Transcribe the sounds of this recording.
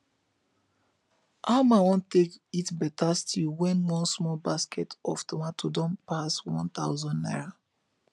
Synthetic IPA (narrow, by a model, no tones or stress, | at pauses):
amawɔ̃ntekitbɛtastʰilwɛ̃nwɔ̃nsmɔlbaskɛtɔftɔmatodɔ̃mpaswɔ̰̃nt̪aʊzɔ̃nːa̰ɪɹa